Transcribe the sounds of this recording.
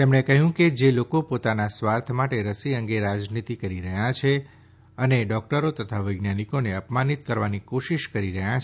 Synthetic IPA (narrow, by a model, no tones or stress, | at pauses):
t̪emɳekəɦjũked͡ʒelokopot̪anasʋaɾt̪ʰmaʈeɾəsiəŋɡeɾad͡ʒnit̪ikəɾiɾəɦjat͡ʃʰe | əneɖɔk̚ʈəɾot̪ət̪ʰaʋəjɡnanikoneəpmanit̪kəɾʋanikoʃiʃkəɾiɾəɦjat͡ʃ